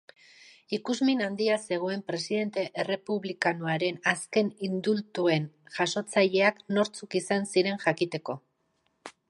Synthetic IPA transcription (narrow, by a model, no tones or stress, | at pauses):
ikuzminand̪iase̞ɣ̞o̞e̞mpɾe̞siðe̞nt̪e̞ʔere̞puβlikanoaɾe̞naske̞nind̪ult̪ue̞nʝaso̞t͡saʎe̞akno̞ɾt͡sukisansiɾe̞nʝakit̪e̞ko̞